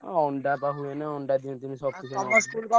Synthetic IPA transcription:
ɔɳɖapaɦuenɛɔɳɖad̪int̪umisɔb̚kit͡ʃʰuaaskulkɔ

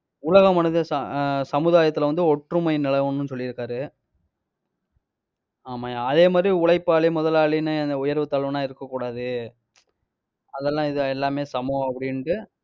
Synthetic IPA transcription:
ʊɭɐɣɐmɐnɐðɯsɐsɐmɯðaːjɐt̪ːɯlʋɐnd̪ɯɔʈɾɯmɐɪnɪɭɐʋɐnːɯnsɔlːɪɾɯkːaːɾɯ | aːmaːɐðeːmaːd̪ɾiʊɭɐɪpːaːɭimʊðɐlaːɭinɯɛnd̪ɐʊjɐɾʋɯt̪ːɐɭɐʋɯnaːɪɾɯkːɐkːuːɽaːðɯ | ɐðɛlːãːɪðɯɛlːaːmeːsɐmɐ̃ɐpːɐɽɪnʈɯ

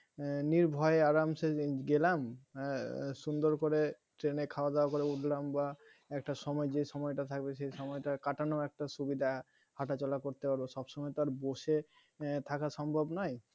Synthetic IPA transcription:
niɾbʱɔeeaɾamʃeɡelam | ʃund̪oɾkoɾe | ʈɾenekʰaoad̪ɛoakoɾeuʈʰlamba | ɛk̚ʈaʃɔmɔed͡ʑeʃɔmɔeʈat̪ʰak̚beʃejʃɔmɔjʈakaʈanoɛk̚ʈaʃubid̪ʱa | haʈat͡ɕɔlakoɾt̪epaɾboʃɔbʃɔmɔet̪aɾboʃe | t̪ʰakaʃɔmbʱobnɔj

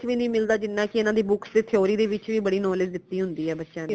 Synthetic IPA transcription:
t͡ʃʋiːnəĩːmɪld̪aːd͡ʒɪnːãːkɪɪnãːd̪iːbʊksd̪eːt̪ʰɪoːɾiːd̪eːʋɪt͡ʃʋiːbəɽiːnoːlɪsd̪ɪt̪ːiːɦʊnd̪iːɛːbətːʃãːd̪

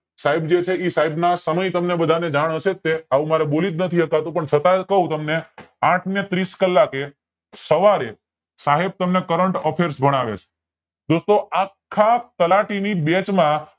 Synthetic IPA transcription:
saibd͡ʒet͡ʃʰeisaibnasəməjt̪əmnebəd̪ʱaned͡ʒaɽ̃əʃet̪ːeaʋũmaɾebolid̪nət̪ʰiɦəkat̪ũpəɳt͡ʃʰət̪akəɦũt̪əmne | ãʈʰnet̪ɾiskəlːake | səʋaɾe | saɦeb̚t̪əmnekəɾəɳʈɔpʰeɾsbʱəɽ̃aʋḛt͡ʃʰe̥ | d̪ost̪oakʰːat̪əlaʈinibet͡ʃmã

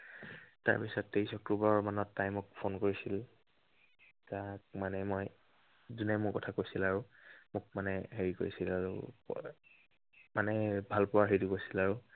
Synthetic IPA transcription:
ta̰ɹpisɔtːejsɔkɹubaɔmanɔtːajmʊk̚pʰonkoɹisil | tak̚manɛmoj | zunɛmʊkɔtʰakojsilaɹʊmʊk̚manɛɦeɹiko̰ɹisilaɹṵ | manɛbʱalpʊwaɦejtʊkojsilaɹʊ

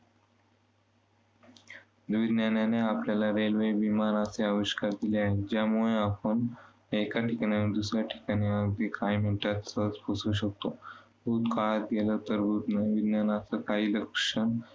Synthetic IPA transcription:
d̪ʋid̪njanjaneapljalaɾelʋebimaɾaseaʋiɕkaɾd̪ileaɦed͡ʑjamuɭeapəɳ | ekaʈʰikaɽ̃janed̪usɾjaʈʰi̥kaɽ̃iəɡd̪ikajmeʈat̪sət͡spusuɕ̬ək̚t̪o | bʱut̪kaɭat̪̚ɡelət̪əɾbʱuːt̪naʋid̪nanat͡səkaɦiːləkʂən

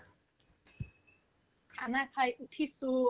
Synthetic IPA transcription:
anapʰajʔut̪ʰisu

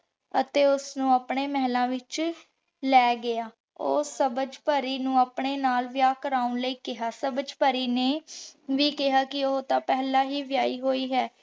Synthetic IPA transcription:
ət̪eːʊsnũːaːpɳeːmɛɦlãːʋɪt͡ʃ | lɛːɡɪaː | o̰ːsəbəd͡ʒpəɾiːnũːaːpɳeːnaːlʋɪjaːkəɾaːʊnləiːkɪɦaːsəbəd͡ʒpəɾiːneːʋiːkɪɦaːkɪoːt̪ãːpɛːlaːɦiːʋɪjaːiːɦoːiːɦɛː

